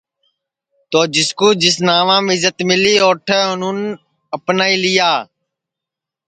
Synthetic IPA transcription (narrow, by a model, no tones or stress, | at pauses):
t̪oːd͡ʒɪskuːd͡ʒɪsnaːʋãːmɪzət̪mɪliːoːʈʰeːʊnũːn | əpnaːiːlɪjaː